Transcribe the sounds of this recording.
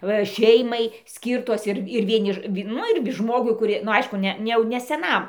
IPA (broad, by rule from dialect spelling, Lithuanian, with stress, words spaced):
ˈʋɐ ˈʃʲɛɪmɐɪ ˈsʲkʲiːrtoːs ɪr ɪr ʋʲiɛˈnʲɪ ˈʋʲɪ ˈnʊ ɪr ˈʒmoːɡʊɪ kʊˈrʲɪ nʊ ˈɐɪʃkʊ ˈnʲɛ nʲɛ ˈjɛʊ nʲɛ sʲɛˈnɐm